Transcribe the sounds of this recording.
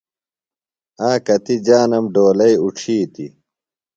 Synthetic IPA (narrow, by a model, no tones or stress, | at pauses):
aːkɐt̪id͡ʑaːnɐmɖoːlɐiuʈ͡ʂʰiːt̪ḭ